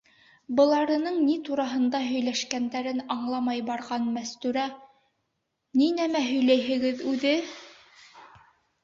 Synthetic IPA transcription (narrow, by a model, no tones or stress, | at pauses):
bɤ̆lˠɑɾɤ̆nɤɴnit̪uɾɑɦɤ̆nd̪ɑɦɵ̆jlæʃkænd̪æɾɘnɑɴlˠɑmɑjbɑɾʁɑnmæst̪ʉɾæ | ninæmæɦɵ̆jlæjɦɘ̆ɡɘðʉðɘ